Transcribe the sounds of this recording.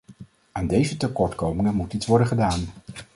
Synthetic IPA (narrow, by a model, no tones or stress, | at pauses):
aːndejzətəkɔɹtkowmɪŋənmutitsʋɔɹdəχədaːn